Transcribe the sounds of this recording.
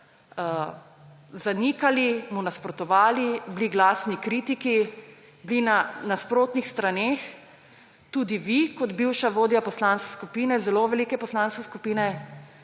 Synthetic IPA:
zanikalimɔnaspɾɔt̪ɔʋaːlibliɡlaːsnikɾiːt̪iki | blinanaspɾoːt̪nixst̪ɾaneːx | t̪uːd̪iʋikɔd̪biwʃaʋoːd̪japɔslaːnske̥skupiːnɛzɛloʋɛliːkɛpɔslaːnskɛskupiːnɛ

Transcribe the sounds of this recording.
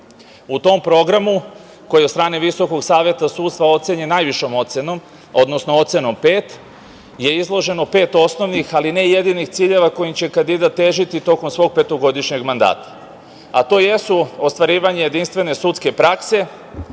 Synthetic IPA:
ut̪o̞mpɾo̞ɡɾamu | ko̞jiot̪st̪ɾaːneʋiso̞ko̞ɡsaːʋje̞t̪asuːt̪t̪ʋao̞t̪seɲenajʋiʃo̞mosenom | o̞d̪nosnoo̞t̪se̞no̞mpeːt̪ | je̞izlˠo̞ʒe̞no̞pe̞ːt̪o̞sno̞ʋnixaline̞je̞d̪inixt̪siːʎe̞ʋako̞jimt͡ɕe̞kand̪id̪at̪ːe̞ːʒit̪it̪o̞ko̞msʋo̞ːɡ̚pe̞t̪o̞ɡo̞d̪iʃɲe̞ɡmand̪a̰ːt̪ḁ | at̪o̞ːjesuost̪ʋaɾiːʋaɲeje̞d̪inst̪ʋe̞ne̞sut̪ske̞pɾakse̞

